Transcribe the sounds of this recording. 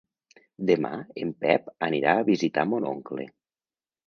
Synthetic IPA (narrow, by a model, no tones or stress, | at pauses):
d̪ema̰empɛpəniɾaəβizit̪amono̰ŋklḛ